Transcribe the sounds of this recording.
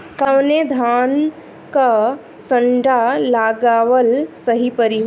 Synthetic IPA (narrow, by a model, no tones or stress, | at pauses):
kawned̪ʱaːn | ka | səɳɖalaɡaːʋəlsəɦipəɾiɦ